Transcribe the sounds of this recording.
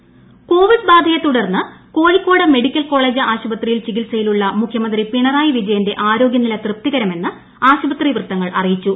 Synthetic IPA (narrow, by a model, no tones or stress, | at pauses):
ko̞ːʋiɖbaːd̪ʱɐjɐt̪ːuɽɐrnːɨko̞ːɻikʲːoːɽɐme̞ɽikʲːɐlko̞ːɭe̞ːd͡ʑɨaːɕubɐt̪rijilt͡ɕiɣilsɐjiluɭːɐmukʰjɐmɐnd̪ripiɳɐraːjiʋid͡ʑɐjɐnde̞ʔaːɾo̞ːɡʲjɐnilɐt̪rɨp̚t̪iɣɐɾɐme̞nːɨ | aːɕubɐt̪riʋrɨt̪ːɐŋːɐɭʔɐrijit͡ɕːu